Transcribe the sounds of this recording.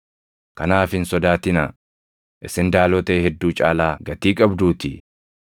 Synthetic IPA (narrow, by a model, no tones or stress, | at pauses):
kɐnaːfɪnsɔd̪aːt̪ɪnɐ̰ | ʔɪsɪnd̪aːlɔt̪eːhɛd̪ːuːt͡ʃʼa̰ːlaːɡɐt̪iːkʼɐbd̪uːt̪ɪ